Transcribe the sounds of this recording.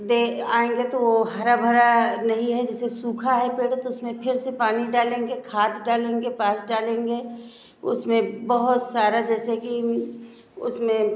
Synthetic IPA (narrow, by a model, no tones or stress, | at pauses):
d̪eːaːẽːŋɡet̪oʋoɦɐɾabʱɐɾanɐɦĩɦɛd͡ʒɛːsesuːkʰaɦɛpeːʈt̪oʊsmẽpʰɪɾsepaːniɖaːlẽːŋɡekʰaːt̪ɖaːlẽːŋɡepaːsɖaːlẽːŋɡeː | ʊ̰smẽbɐɦʊt̪saːɾad͡ʒɛːseki | ʊ̰smẽ